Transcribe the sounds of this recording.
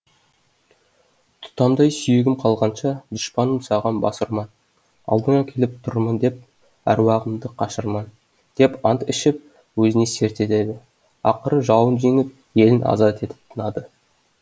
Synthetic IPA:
t̪ʰʊ̥t̪ɑmd̪ɑjsʏjeɡʲɪmqʰɑlˠʁɑnʃɑd̪ʊʃpɑnəmsɑʁɑnbɑ̰səɾmɑn | ɑ̰lˠd̪əɴɑkʲʰe̞lɪp̚t̪ʰʊɾmənd̪e̞p̚ | æ̰ɾwɑʁəmd̪əqʰɑʃəɾmɑn | d̪̥e̞pɑnt̪ɪʃɪp̚ | wɵzɪne̞se̞ɾt̪e̞t̪e̞d̪ɪ | ɑqəɾəʒɑwənʒe̞ŋɪp̚ | je̞lɪnʔɑ̰zɑt̪e̞t̪ɪ̥p̚t̪ʰənɑd̪ə

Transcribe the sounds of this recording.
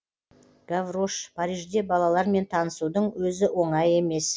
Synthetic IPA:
ɡ̥avroʃpʰaɾijʒd̪e̞bɑlˠɑlˠɑɾme̞nt̪ʰɑnəsud̪əɴwɵzɪwo̞ɴɑje̞me̞s

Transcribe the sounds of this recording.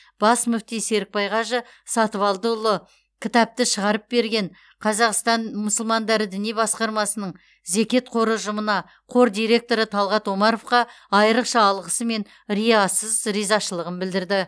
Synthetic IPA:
b̥ɑsmʊft̪ijse̞ɾɪk̚pɑjʁɑʒə | sɑt̪əvɑlˠd̪əʊlˠə | kʲʰɪt̪ɑp̚t̪ɪʃəʁɑɾəp̚be̞ɾɡʲeɴ | qʰɑzɑqst̪ɑnmʊsəlˠmɑnd̪ɑɾəd̪ɪnijbɑsqɑɾmɑsənəɴ | ze̞kʲe̞t̪̚qʰo̞ɾəʒʊmənɑ | qʰo̞ɾd̪ijɾe̞k̚t̪o̞ɾət̪ʰɑlˠʁɑt̪wo̞mɑɾo̞fqɑ | ɑjəɾəqʃɑːlˠʁəsəme̞n | rijɑsəzɾijzɑʃəlˠəʁənbɪld̪ɪɾd̪ɪ

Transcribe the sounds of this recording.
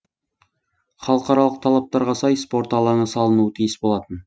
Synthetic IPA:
χɑlˠəqɑɾɑlˠəq̚t̪ʰɑlˠɑp̚t̪ɑɾʁɑsɑjspo̞ɾt̪ɑlˠɑɴəsɑlˠənuət̪ʰijəsbo̞lˠɑt̪ən

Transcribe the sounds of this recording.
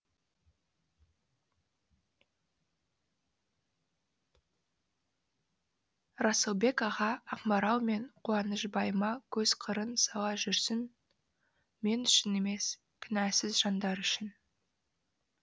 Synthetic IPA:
rɑsəlˠbe̞kɑʁɑɑqmɑɾɑw̪ˠme̞ɴqʰuɑnəʃbɑjəmɑkʲʰɵzqʰəɾənsɑw̪ˠɑʒʏɾsɪn | me̞nʏʃɪneme̞s | kʲʰʏnæsɪzʒɑnd̪ɑɾʏʃɪn

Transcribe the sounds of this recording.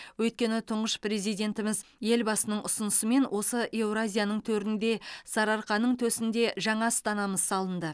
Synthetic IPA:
wɵjt̪̚kʲe̞nɪt̪ʰʊɴʁəʃpre̞zijd̪e̞nt̪ɪmɪzje̞lbɑsənəɴʔʊsʊnəsəme̞nwʔo̞səʔewɾazʲijanəɴt̪ʰɵɾɪnd̪e̞sɑɾɑɾqɑnːəɴt̪ʰɵsɪnd̪e̞ʒɑɴɑst̪ɑnɑməzsɑlˠənd̪ə

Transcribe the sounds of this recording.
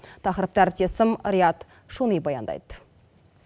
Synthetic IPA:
t̪ʰɑqɾəp̚t̪æɾɪp̚t̪esɪmɾijɑt̪ | ʃunibɑjɑ̰nd̪ɑ̰jd̪̥

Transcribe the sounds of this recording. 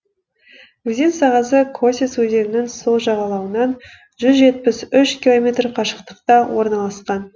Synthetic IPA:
kʲɵzensɑʁɑsəkʰo̞sʲeswɵze̞ɾɪnɪnso̞lˠʒɑʁɑlˠɑwənɑn | ʒʏzʒe̞t̪̚pɪsʏʃkʲilˠo̞mʲe̞t̪rqʰɑʃə̥qt̪ə̥qt̪ɑwo̞ɾnɑlˠɑsqɑn

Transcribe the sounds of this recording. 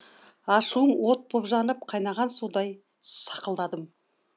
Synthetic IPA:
ɑʃuəɴwo̞t̪̚bʰopʒɑnəp̚qʰɑjnɑʁɑnsud̪ɑj | sɑqəlˠd̪ɑd̪əm

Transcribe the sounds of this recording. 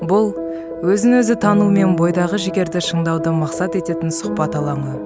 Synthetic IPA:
bʊlˠ | wɵzɪnwɵzɪt̪ʰɑnume̞nbo̞jd̪ɑʁəʒɪɡʲe̞ɾd̪ɪʃəɴd̪ɑwd̪əmɑqsɑt̪e̞t̪e̞t̪ɪnsʊqpɑt̪ɑlˠɑɴə

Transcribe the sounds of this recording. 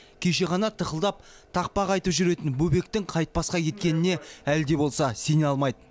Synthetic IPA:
kʲʰe̞ʃe̞ʁɑnɑt̪ʰəχəlˠd̪ɑp̚ | t̪ʰɑq̚pɑqɑjt̪əpʒʏɾe̞t̪ɪnbɵbe̞k̚t̪ɪŋqʰɑjt̪̚pɑsqɑkʲʰe̞t̪kʲe̞nɪne̞æld̪e̞bo̞lˠsɑse̞neɑlˠmɑjd̪ə

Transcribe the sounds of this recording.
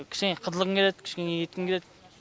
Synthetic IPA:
kʲʰɪ̥ʃkʲeŋeqʰəzəlˠəʁəŋkʲeled̪kʲʰɪ̥ʃkʲeŋejet̪̚kʲɪmkʲeled̪

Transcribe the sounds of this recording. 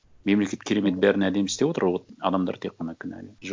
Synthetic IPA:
me̞mlekʲe̞t̪̚kʲʰe̞ɾe̞me̞t̪̚bæɾɪnæd̪e̞mst̪e̞wo̞t̪əɾwoɑ̰d̪ɑmd̪ɑ̰ɾt̪ʰe̞qːɑnɑkʲʰɪnæ̰leʒ

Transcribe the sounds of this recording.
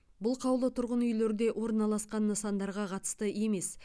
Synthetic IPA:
bʊlˠqʰɑwlˠət̪ʰʊɾʁənʏjle̞ɾɪd̪e̞ʔwʔo̞ɾnɑlˠɑsqɑnːəsɑnd̪ɑɾʁɑqʰɑt̪ə̥st̪əe̞me̞s

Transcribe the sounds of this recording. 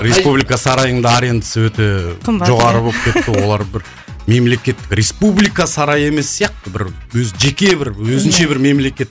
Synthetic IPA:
ɾe̞spublijkasɑɾɑjəɴd̪ɑːɾe̞nd̪əsəwɵt̪eʒo̞ʁɑɾəbo̞lˠp̚kʲʰe̞t̪ːɪwo̞lˠɑɾbɪɾ | me̞mle̞kʲe̞t̪ːɪkɾʲe̞spublijkasɑɾɑje̞me̞sːijɑq̚t̪əbɪɾwɵzʒe̞kʲe̞bɪɾwɵzɪnʃe̞bɪɾme̞mle̞kʲe̞t̪ːɪ

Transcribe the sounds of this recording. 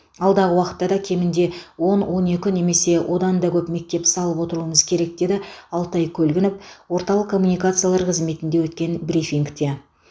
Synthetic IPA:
ɑlˠd̪ɑʁəwɑqət̪ːɑd̪ɑkʲʰe̞mɪnd̪e̞wo̞nwʔo̞ne̞kʲɪne̞me̞se̞wʔo̞d̪ɑnd̪ɑkʲʰɵpme̞k̚t̪e̞psɑlˠəpwo̞t̪əɾuəməzkʲʰe̞ɾe̞k̚d̪e̞d̪ɪɑlˠt̪ɑjkʲʰɵlɡʲɪnɪpwo̞ɾt̪ɑlˠəqkʰːo̞mːunijkat̪sɨjalˠɑɾqʰəzme̞t̪ɪnd̪e̞wɵt̪̚kʲe̞nbɾifʲiŋkt̪e̞

